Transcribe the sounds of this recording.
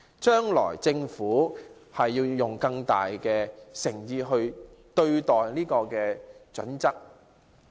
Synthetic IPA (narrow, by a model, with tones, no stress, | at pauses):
t͡ʃœː˥ŋlɔ̰ː˨˩jt͡sɪ˧ŋfuː˨˥ | hɐ˨jːiː˧wjʊ˨˩ŋkɐ˧ŋt̪a̰ː˨jkɛː˧sɪ˨˩ŋjiː˧ɦɵ˧ɥ | t̪ɵ˧ɥt̪ɔː˨jniː˥kɔː˧kɛː˧t͡ʃɵ̰˨˥nt͡sɐ˥k̚